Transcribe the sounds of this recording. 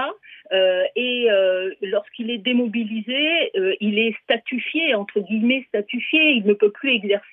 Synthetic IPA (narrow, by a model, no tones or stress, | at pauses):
aøeølɔʁskilɛd̪emɔbilizeøilɛst̪at̪yfjeɑ̃t̪χəɡʲimɛst̪at̪yfjeilnəpøplyɛɡzɛʁs